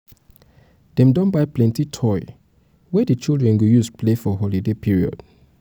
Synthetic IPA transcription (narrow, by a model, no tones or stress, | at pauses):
d̥ɛ̃mdɔ̃nbaɪplɛ̃ntitʰɔɪ | wɛdət͡ʃilˠdɹɛ̃nɡujuspʰlefɔɦɔlidepʰiɹiɔ̰d̥